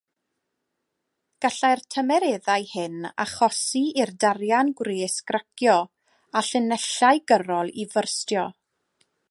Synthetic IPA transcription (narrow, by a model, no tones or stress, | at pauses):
ɡ̥aɬajrtʰəmɛɾeːðajhɨna̰χɔsiirdarjanɡwreːskrakjɔ | aɬɪnɛɬaɨjɡəɾɔlˠivərstjɔ